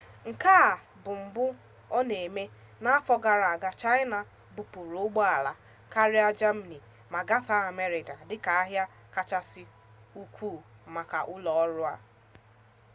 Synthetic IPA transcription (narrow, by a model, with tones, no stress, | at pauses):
ŋ̩˨kaː˦˨ | bʊ˨m̩˨bʊ˦ | ɔ˦ne˨me˦ | na˦a˦fɔ˦ɡa˨ɾa˨a˨ɡa˦t͡ʃa˦ɪ˦na˨ | bu˨pu˨ɾʊ˦ɡ͡bɔ˦a˨la˨ | ka˦ɾɪ˦a˦d͡ʒa˦m̩˨ni˨ | ma˨ɡa˦fa˦a˨me˦ɾɪ˨ka˨dɪ˦ka˨a˦ɦja˦ | ka˦t͡ʃa˦sɪ˦ | u˦kʷuː˦˨ma˨ka˨ʔʊ˦lɔ˨ɔ˦ɾʊ˦a˦